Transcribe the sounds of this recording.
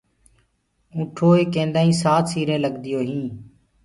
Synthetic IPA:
ũːʈʰoːeːkẽːnd̪aːĩːsaːt̪ʰsiːɾẽːləɡd̪ɪjoːɦĩː

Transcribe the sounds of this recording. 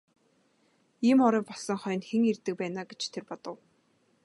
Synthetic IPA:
iːmɔɾiːpɔsɞ̆ŋχœjɞ̆nxeŋert̪ɘ̆k̚pæːnaːɡet͡ɕt̪ʰerpɔt̪ɞ̆w

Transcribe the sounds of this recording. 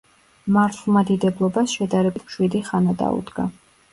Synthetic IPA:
maɾt̪ʰlˠmad̪id̪ɛblˠɔbasʃɛd̪aɾɛbit̪ʃwid̪iχanad̪a̰ṵd̪ɡa

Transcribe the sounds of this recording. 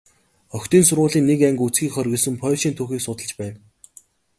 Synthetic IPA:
œxt̪iːnsʊrʁʊːɮiːnːekæŋɡut͡sɡiːkχœrʲɣʲɘ̆ɮsɘ̆mpʰœːʃiːnt̪ʰuːxiːksʊt̪ə̆ɮt͡ɕpæːn

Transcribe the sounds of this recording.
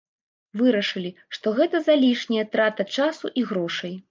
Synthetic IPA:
vɨɾɐʂɨlʲiʂt̪ɔɣɛt̪ɐzalʲiʂnʲijɐt̪ɾat̪ɐt͡ʂasuʔiɣɾɔʂɐj

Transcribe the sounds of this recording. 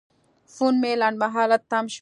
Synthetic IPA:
funmelaɳɖmaɦɑːlat̪ːamʃ

